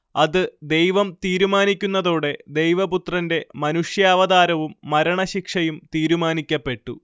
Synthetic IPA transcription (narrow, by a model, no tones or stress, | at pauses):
ɐðɨd̪e̞jʋɐmt̪iːɾumaːnikʲːunːɐðoːɽe̞d̪e̞jʋɐput̪rɐnde̞mɐnuʂjaːʋɐðaːɾɐʋumːɐɾɐɳɐɕikʂɐjumt̪iːɾumaːnikʲːɐpːe̞ʈːu